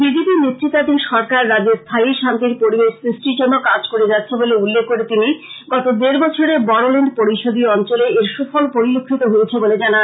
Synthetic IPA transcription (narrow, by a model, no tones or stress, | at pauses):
bid͡ʑipinet̪ːɾit̪ːat̪inʃɔɾkaɾːad͡ʑeɾst̪ʰaiʃant̪iɾpoɾibeʃsɾisʈɾid͡ʑonːokad͡ʑkoɾed͡ʑatːɕʰeboleulːeɡ̚ʰkoɾet̪iniɡɔt̪od̪eɾbɔt͡ɕʰoɾebɔɾoleɳɖpoɾiʃod̪ʱiɔnt͡ɕoleeɾʃufʰɔlpoɾilokʰːit̪oɦojet͡ɕʰeboled͡ʑanan